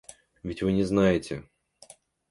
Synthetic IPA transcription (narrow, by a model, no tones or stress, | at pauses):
vʲɪtʲvɨnʲɪznajɪtʲɪ